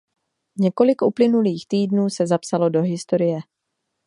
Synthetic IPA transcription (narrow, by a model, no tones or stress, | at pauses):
ɲɛko̞lɪkʔuplɪnuliːxt̪iːdnuːsɛzapsalo̞do̞ɦɪst̪o̞ɾɪjɛ